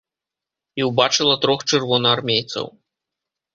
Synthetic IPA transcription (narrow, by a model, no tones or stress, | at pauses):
iwbat͡ʂɨlˠɐt̪ɾɔxt͡ʂɨrvɔnɐarmʲejt̪sɐ̰w